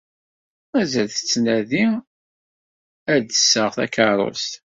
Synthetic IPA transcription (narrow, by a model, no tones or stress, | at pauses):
mæzælθə̥t͡sːnæði | æd̪əsːəʁθæ̰kəɾˤo̰st̪